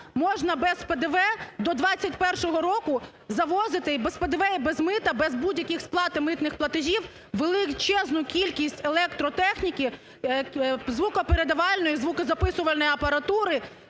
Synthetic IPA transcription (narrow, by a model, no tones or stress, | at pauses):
mɔʒnɐbɛzped̪eʋɛd̪ɔd̪ʋɑt͡sʲːɐtʲpɛrʃɔɦɔɾɔkʊ | zɐʋɔzɪt̪ɪbesped̪eʋɛibɛzmɪt̪ɐbɛzbudʲjɐkʲixsplˠɑt̪ɪmɪt̪nɪxplˠɐt̪ɪʒʲiw | ʋelˠɪt͡ʃɛznʊkʲilʲkʲisʲtʲelˠɛkt̪ɾɔt̪ɛxnʲikʲi | zʋukɐpeɾed̪ɐʋɑlʲnɔjizʋukɐzɐpɪsʊʋɐlʲnɔjɐpɐɾɐt̪uɾɪ